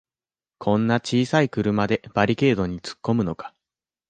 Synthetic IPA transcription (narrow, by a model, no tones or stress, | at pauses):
kʰõ̞nːat͡ɕiːsaikɯ̟ɾɯ̟mad̪e̞b̥aɾʲike̞ːd̪o̞ɲ̟it͡sɨ̥kːo̞mɯ̟no̞kḁ